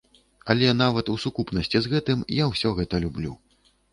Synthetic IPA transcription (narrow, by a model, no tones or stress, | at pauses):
ɐlʲɛnavɐt̪usukupnɐsʲt͡sʲizɣɛt̪ɨmjawsʲɔɣɛt̪ɐlʲublʲu